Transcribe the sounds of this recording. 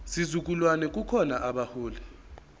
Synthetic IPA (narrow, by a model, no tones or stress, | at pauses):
sizuk̬ʼulwanɛk̬ʼukʰɔnaʔaɓahuːlɛ